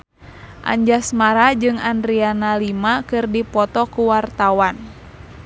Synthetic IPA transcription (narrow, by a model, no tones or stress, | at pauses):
ʔa̰ɲd͡ʒasmaɾad͡ʒɨŋandɾianalimakɨrdipɔt̪ɔkuwart̪awan